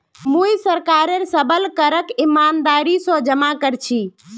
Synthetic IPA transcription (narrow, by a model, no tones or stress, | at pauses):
mũjsəɾkaɾeɾsəbəlkəɾəkimand̪aɾisɔ̃d͡ʒəmakəɾt͡ʃʰi